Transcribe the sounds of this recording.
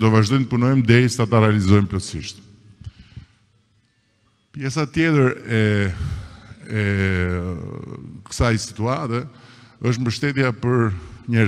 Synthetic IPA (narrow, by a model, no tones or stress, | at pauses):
d̪ɔvaʒd̪ɔjnt̪əpunɔjmd̪ɛjsi̥at̪aɾɛalizɔjmplɔsiʃt̪ | pjɛsat̪jɛt̪əɾɛ | ɛ | kə̥sajsi̥t̪uat̪ɛəʃ̬t̪mbəʃt̪ɛt̪japəɾɲɛ